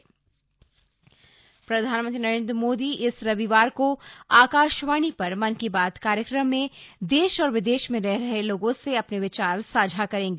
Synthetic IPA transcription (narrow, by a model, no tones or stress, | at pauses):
pɾɐd̪ʱaːnmə̃nt̪ɾinɐɾẽːnd̪ɾəmoːd̪iɪsɾɐʋiʋaːɾkoaːkaːʃʋaːnipɐɾmɐnkibaːd̪kaːɾjəkɾəmːẽd̪eːʃɔːɾʋɪd̪eːʃmẽɾɛɦɾɐɦeloːɡõseɐpneʋɪt͡ʃaːɾsaːd͡ʒʱakɐɾẽːŋɡeː